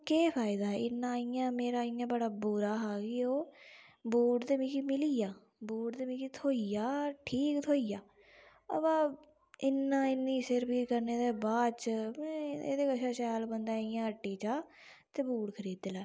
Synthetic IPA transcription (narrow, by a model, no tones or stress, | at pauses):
keːpʰaːɪd̪aːɦɛːɪnːãːɪjãːmeːɾaːɪjãːbəɽaːbuɾaːɦaːɡioːbuːʈd̪eːmiːkimɪlijaː | buːʈd̪eːmiːkiːt̪ʰoːijaːʈʰiːkt̪ʰoːijaː | əbãː | ɪnːãːɪnːĩːsəɾpiːkəɾneːd̪eːbaːt͡ʃmɛ̃ḛːd̪eːkəʃaːʃɛːlbənd̪aːɪjãːəʈːiːt͡ʃaː | t̪eːbuːɽkʰəɾiːd̪laː